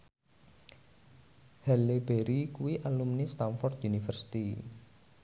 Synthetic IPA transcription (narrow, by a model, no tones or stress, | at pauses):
hɛleb̥eɾikuwiʔalumnist̪anfɔrt̪unifərsi̥t̪i